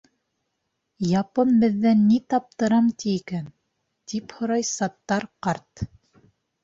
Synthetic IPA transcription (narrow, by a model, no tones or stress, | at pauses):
jɑpɤnbɘ̆ðːænːit̪ɑp̚t̪ɤ̆ɾɑmt̪iːkæn | t̪iphŏɾɑjsɑt̪ːɑɾqɑɾt̪